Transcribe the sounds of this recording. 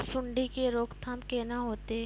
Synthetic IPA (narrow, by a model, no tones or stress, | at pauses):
sʊɳɖikeɾoːkt̪ʰɐmkenaɦoːt̪e